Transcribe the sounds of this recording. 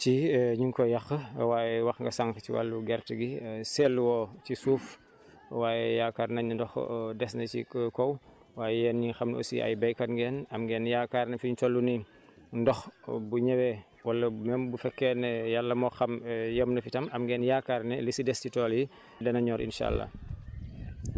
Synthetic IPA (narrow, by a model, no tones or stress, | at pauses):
ciɲuŋkɔjɐxwaːjɛwɐxŋɡɐsaŋkɐciwa̰lːuɡɛɾtəɡisɛlːwɔcisuːf | waːjɛjaːkːaːɾnɐɲundɔxdɛsnɐt͡ʃḭkɔw | waːjɛjɛːnɲixɐmno̰sḭɐ̰jbɛjkɐtŋɡɛːnɐmɡɛːnjaːkaːɾnɛfiɲtɔlːuni | ndɔxbuɲɐwɛː | wɐlːɐmɛmbufɛkːɛnɛjalːɐmɔxɐmjəmnɐfitɐmɐmɡɛːnjaːkarnɛlisidɛstitɔːlji | dɐnɐɲɔːɾʔḭnʃa̰ːlːɐ̰